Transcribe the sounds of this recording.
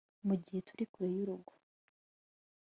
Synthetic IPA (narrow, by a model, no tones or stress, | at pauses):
muɟihe̞tuɾikuɾejuɾuɡo̥